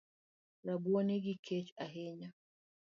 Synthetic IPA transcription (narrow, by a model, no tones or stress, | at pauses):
ɾabuaneɡikʰɛt͡ʃaɦɛɲa